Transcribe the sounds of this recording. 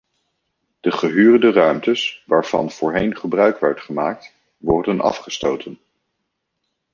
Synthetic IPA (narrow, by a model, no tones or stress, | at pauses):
d̥əχəɦyːrəndərœɥmtəsʋaːɹv̥ɑ̰nv̥ʊːɹɦejnχəbrœɥkʋɛɹtχəmaːk̚t | ʋɔɹdənʔɑ̰fχəstowtʰən